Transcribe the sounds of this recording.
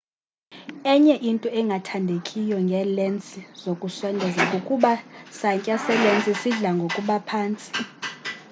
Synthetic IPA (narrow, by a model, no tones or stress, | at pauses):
ɛɲɛʔintʼuɛŋɡʱatʰandʱekʼijɔŋɡʱɛlent͡sʼizokʼusɔndʱɛzakʼokʼuɓasaŋkʼasɛlent͡sʼisiɮaŋɡʱokʼuɓapʰaːnt͡sʼi̥